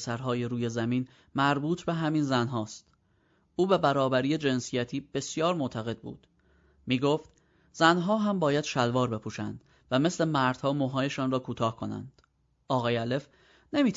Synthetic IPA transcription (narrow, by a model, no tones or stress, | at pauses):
sæɾɦɒːjeɾuːje̞zæmiːn | mæɾbuːt̪ʰbe̞ɦæminzænɦɒːst̪ | ʔuːbebæɾɒːbæɾiːje̞d͡ʒe̞nsijæt̪ʰiːb̥e̞sjɒːɾmot̪ʰæɣe̞d̪̥̚bṵːd̪̥ | miːɡoft̪ | zænɦɒːɦæmbɒːjæd̪̥ʃælvɒːɾbe̞pʰuːʃænd̪̥ | væme̞sle̞mæɾd̪̥hɒːmoɦɒːje̞ʃɒːnrɒːkʰuːt̪ʰɒːhkʰo̞næ̰nd̪̥ | ʔɒːɣɒːjeæle̞f | nemiːt̪